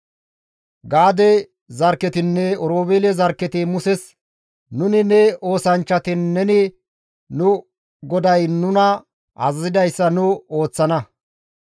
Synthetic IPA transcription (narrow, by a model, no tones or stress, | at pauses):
ɡaːd̪ɛ | zɐɾkːɛt̪ɪnːɛɔɾoːbeːlɛzɐɾkːɛt̪ɪmʊsɛs | nʊnɪnɛo̞ːsɐnt͡ʃːɐt̪ɪnːɛnɪ | nʊ | ɡɔd̪ɐjnʊnɐ | ʔɐ̰zɐzɪd̪ɐjsːɐnʊo̞ːt͡sːɐnɐ